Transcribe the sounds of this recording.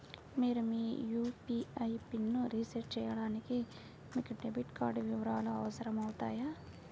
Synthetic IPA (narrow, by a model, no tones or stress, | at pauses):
miːɾumiːjuːpiɐjpinːuɾiːsɐɾʈ̚t͡ʃɛːjɐɽaːniki | miːkuɖebiʈkaːɾɖʋiʋɐɾaːlɐːʋɐsɐɾɐmɐwut̪a̰ːjaː